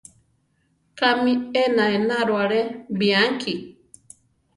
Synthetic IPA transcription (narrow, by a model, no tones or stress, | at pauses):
kamĩenãenaɾoaɾebiaŋkʰi